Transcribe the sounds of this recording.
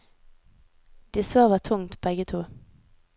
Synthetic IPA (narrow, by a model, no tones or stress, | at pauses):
d̪̥iːsoːʋɑːt̪ʰʊŋt̪bɛɡət̪ʰuː